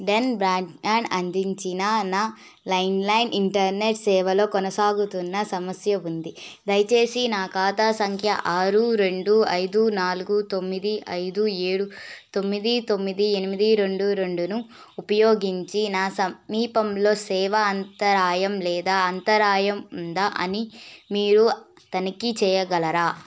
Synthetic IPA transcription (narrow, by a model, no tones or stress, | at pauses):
ɖenbɾaːɳʈmaːɳɖɐnd̪iɲt͡ʃinɐnaː | lɐjnlɐjniɳʈɐɾneʈsɛːʋɐlo̞ːkɔnɐsaːɡut̪unːɐsɐmɐsjɐund̪id̪ɐjt͡ʃe̞ːsinaːkaːt̪aːsɐŋkʰjɐʔaːɾuɾe̞ɳɖuɐjd̪unaːluɡut̪o̞mːid̪iɐjd̪ueːɽut̪o̞mːid̪it̪o̞mːid̪ienimid̪iɾe̞ɳɖuɾe̞ɳɖunu | upɐjoːɡiɲt͡ʃinaːsɐmːiːpɐmlo̞ːsɛːʋɐɐnt̪ɐɾaːjɐmlɛːd̪aːɐnt̪ɐɾaːjɐmund̪aʔɐ̰nimiːɾu | ɐt̪ɐnikit͡ʃɛːjɐɡɐlɐɾaː